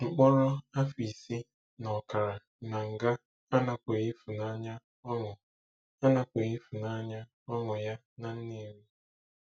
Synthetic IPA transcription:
ŋ͡m̩˨k͡pɔ˦ɾɔ˦a˦fi˨si˦ | nɔ˨ka˨ɾa˨ | na˨ŋ̩˨ɡa˦ | a˦na˦kʷe˨ɣi˦fu˨na˦ɲa˦ | ɔ˦ŋʊ˨ | a˦na˦kʷe˨ɣi˦fu˨na˦ɲa˦ | ɔ˦ŋʊ˨ja˦ | na˨n̩˦ni˦me˦

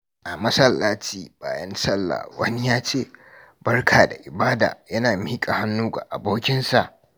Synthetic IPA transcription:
ʔa˨mɐ˦sɐ˦lːaː˦t͡ʃiː˦˨ba̰ː˨jɐ˦nsɐ˦lːa̰ː˨wɐ̰˦ni˦jaː˦t͡ʃeː˦˨ | b̥ɐ˦rkʰaː˨da̰˨ʔɪ˨baː˦da̰ː˨jɐ˦naː˨miː˦kʼa˨ha˦nːuː˦ɡa̰˨ʔa˨boː˦kʲɪ˦nsa˦˨ʔ

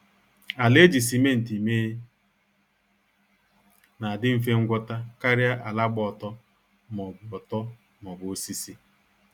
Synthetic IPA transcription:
a˨le˦d͡ʒi˨si˨me˦n̩˨ti˨me˦ | na˨dɪ˦m̩˦fe˦ŋ̩˦ɡʷɔ˦ta˦ka˦ɾja˦ʔa˨la˦ɡ͡bɔ˨tɔ˦ | mɔ˨ɔ˨tɔ˦ | mɔ˨bʊ˨o˦si˦si˦

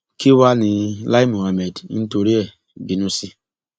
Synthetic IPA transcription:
ki˦wa˦ni˨la˦i˦mu˨a˨me˨dn̩˦to˨ɾi˦ɛ˦˨ | bi˨nu˦si˦

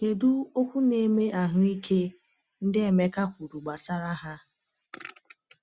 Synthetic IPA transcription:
ke˨du˦o˦kʷu˦ne˦me˦ʔa˨ɦʊ˦i˦kʰe˦ | n̩˦dɪ˦e˨me˦ka˦kʷu˨ɾu˨ɡ͡ba˨sa˦ɾa˦ɦa˦

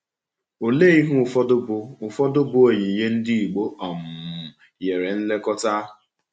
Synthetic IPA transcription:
o˨le˦i˦ɦu˦ʊ˨fɔ˦dʊ˦bʊ˦ʊ˨fɔ˦dʊ˦bʊ˦o˦˨ɲe˨je˦n̩˦di˦i˨ɡ͡bo˦ɔ˨m̩˨ | je˨ɾe˨n̩˦le˦kɔ˦ta˦

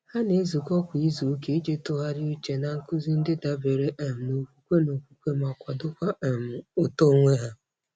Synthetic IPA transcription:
ha˦ne˨˦zu˨kɔ˦kʷi˦zu˨˦ke˦i˦d͡ʒe˦tʊ˦ɦa˦ɾɪ˦u˦t͡ʃe˨na˨ŋ̩˦kʊ˦zi˦n̩˦dɪ˦da˨be˨ɾe˨ʔɛ˨m̩˨no˨kʷu˦kʷe˦no˨kʷu˨kʷe˦ma˨kʷa˨dʊ˦kʷa˦˨m̩˨o˨to˦ŋʷe˦ɦa˦

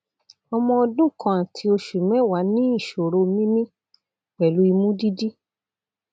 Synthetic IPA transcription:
ɔ˧mɔ̃˧ɔ˧dũ˦kã˧a˨tʰi˧o˧ʃu˨mɛ̃˨˦wa˨˦nĩ˦i˦˨ʃo˨ɾo˧mĩ˦mĩ˦ | k͡pɛ˨lu˨˦i˧mũ˦di˦di˦

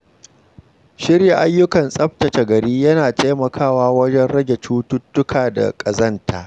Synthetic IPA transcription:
ʃɪ˦rja˨ʔa˦jːʊ˦kɐ˨nsʼɐ˦ɸ̚tɐ˨t͡ʃe˨ɡɐ˨ɽiː˦jɐ˦naː˨teː˦mɐ˨kʰaː˦˨waː˦wɐ˦d͡ʒɛ˦nɽɐ˦ɡʲe˨t͡ʃuː˦tʊ˦tːʊ˦kʰaː˨da̰˨kʼɐ˨zɐ˦ntʰa̰ː˨ʔ

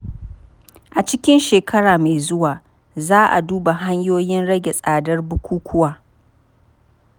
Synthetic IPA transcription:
ʔa˨t͡ʃɪ˦kʲɪ˦nʃeː˨kʰɐ˦ɽaː˨ma˨zʊ˦waː˨ | zaː˦ʔa̰˨duː˦ba˨ɦa˦ɲjoː˦jɪ˦nɽɐ˦ɡʲe˨sʼaː˨dɐ˦rbʊ˦kʷuː˦kʷʰʊ˦waː˨

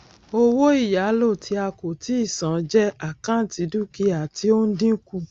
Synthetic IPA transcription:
o˦wo˦i˦˨ja˨˦lo˦˨tʰi˧˦a˧ko˨ti˨˦i˦˨sã˨˦d͡ʒɛ˦a˦˨kã˦ti˨˧˦du˦ki˦a˨ti˧˦o˦n̩˦dĩ˦ku˧˨

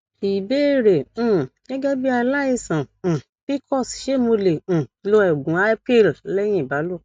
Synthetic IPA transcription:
i˨be˦ɾẽ˨˦˨ɡ̥ɛ˦ɡɛ˦bi˦a˧la˦i˦˨sã˨ | bi˦kɔ˦˨sʃe˦˨mo˧lẽ˨i˧lo˧˦ɛ˨ɡũ˨˦a˦pe˦˨llɛ˦j̃ĩ˦˨ba˨˦lo˦˨

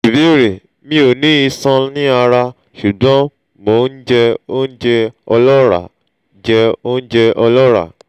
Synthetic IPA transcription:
i˨be˨˦ɾe˨ | mĩ˧˦o˨nĩ˦i˧sã˧nĩ˦a˧ɾa˧ | ʃu˨dɔ̃˨˦ | mo˨˦n̩˦d͡ʒɛ˧o˦n̩˦d͡ʒɛ˧ɔ˧lɔ˦ɾa̰˨ | d͡ʒɛ˧o˦n̩˦d͡ʒɛ˧ʔɔ˧lɔ˦ɾa̰˦˨

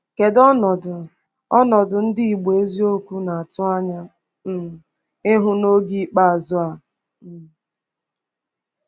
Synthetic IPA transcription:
ke˨dɔ˦nɔ˨dʊ˨ | ɔ˦nɔ˨dʊ˨n̩˦dɪ˦i˨ɡ͡be˨e˦zi˦o˦kʷu˦na˨a˨tʊ˦a˦ɲa˦ | m̩˨ | ɪ˦ɦʊ˦no˦ɡi˦k͡pa˦a˨zʊ˦a˨

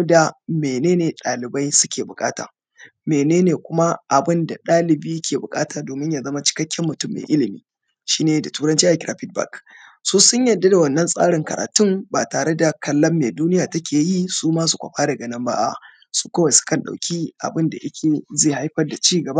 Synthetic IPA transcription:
da˨meː˨neː˦neː˨ɗaː˨lɪ˨ba˦jsʊ˦kʲeː˨bʊ˨kʼa̰ː˦ta̰ː˨ | meː˨neː˦neː˨kʷʊ˦ma˦ʔa˨bɪ˦nda˨ɗaː˦lɪ˨biː˦kʲeː˨bʊ˨kʼaː˦taː˨doː˨mɪ˦ɲjaː˨zɐ˦ma˦t͡ʃɪ̥˦kɐ˦kʲːɛ˦mːʊ˨tʊ˦˨mːḛː˨ʔɪ˦lɪ˨mḭː˦ | ʃiː˦neː˨da˨tuː˦ɾɐ˦nt͡ʃiː˦ʔa˨kɪ˨ɾaː˨ɸɪ˦d̚ba̰˨k | su˦sʊ˦ɲjɐ˨dːa˦da˨wɐ˨nːɐ˦nsʼa̰ː˦ɽɪ˨ŋkɐ̰˨ɾa̰ː˨tʊ˦mbaː˨taː˨ɽe˦da˨kɐ˨lːɐ˦mːeː˨duː˦nɪ˦jaː˨tɐ˦kʲʰeː˨ji˦suː˦maː˦su˨kʷɐ̰˨ɸaː˦dɐ˨ɡɐ˨nɐ˦mba̰ː˦ʔa̰˨ | su̥˦kɐ˦wa˨sʊ̥˦kɐ˨nɗa̰˨wkʲi˦ʔa̰˨bɪ˦nda̰˨ʔɪ˦kʲʰeː˨zeː˦˨ha˦jɸɐ˦rda˨t͡ʃiː˦ɡɐ˨ba˦

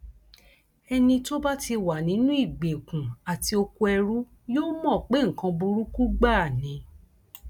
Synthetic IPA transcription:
ɛ˧nĩ˧to˦ba˦ti˧wa˨nĩ˨˦nũ˦i˦˨ɡ͡be˨kũ˨a˨ti˧o˧ko˧ɛ˧ɾu˦ | joː˦mɔ̃˦˨k͡pe˦ŋ̩˨kã˧bu˧ɾu˦ku˦ɡ͡ba˦˨nĩ˨˦

